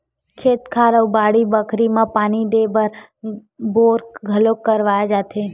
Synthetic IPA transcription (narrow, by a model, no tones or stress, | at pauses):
kʰeːt̪kʰaɾəwbaːɽibəkʰɾimãpaːñid̪ebəɾ | boɾkɡʱəlokːəɾʋajad͡ʒat̪ʰe